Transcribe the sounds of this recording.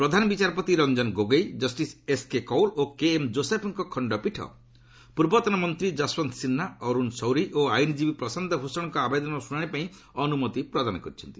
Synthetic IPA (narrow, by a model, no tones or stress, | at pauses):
pɾɔd̪ʱanɔbit͡ʃaɾpɔt̪iɾɔnd͡ʒɔnɡoɡejd͡ʒɔsʈiseskekɔwlokeːmd͡ʒosepʰɔŋkɔkʰɔɳɖɔpiʈʰɔ̰ | puɾbɔt̪ɔnɔmɔnt̪ɾid͡ʒaswɔnsinːaɔɾunsɔwɾiʔoajnid͡ʒibipɾɔsand̪ʱɔbʱusɔɽɔ̃ŋkɔabed̪ɔnɔsuɽ̃aɽ̃ipaĩ | ɔnumɔt̪ipɾɔd̪anɔkɔɾit͡ʃʰɔnt̪i̥